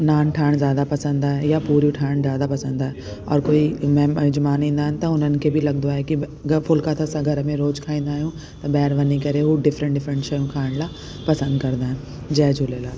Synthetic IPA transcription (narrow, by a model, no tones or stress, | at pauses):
naːnʈʰaːɪɽ̃zjaːd̪apɐsə̃nd̪aːɦejapuːɾjũʈʰaːɪɽ̃zjaːd̪apɐsə̃nd̪aːɦeɔ̰ːɾkoːimɛ̃mɐd͡ʑmaːnɦĩːn̆d̪aːɦɪnɪ̆t̪ɐʊn̤ənɪ̆kʰeːbʱɪlɐɡnd̪oaːɦeki | fʊlkat̪ʰɐsãɡʱɐɾəmẽɾoːd͡ʑkʰaːĩːnd̪aːɦijũ | t̪ɐbɛːɾʋɐnikɐɾeɦuɖɪfɾə̃ɳʈɖɪfɾə̃ɳʈʃɐjũkʰaːɪɽ̃laː | pɐsə̃nd̪kɐɾd̪d̪aːɦɪ̃n | d͡ʑɛːd͡ʑʱʊleːlaː